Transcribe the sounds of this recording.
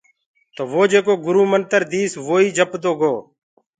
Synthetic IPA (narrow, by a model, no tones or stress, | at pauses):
t̪oːʋoːd͡ʒeːkoːɡʊɾuːmənt̪əɾd̪iːsʋoːiːd͡ʒʱəpd̪oːɡoː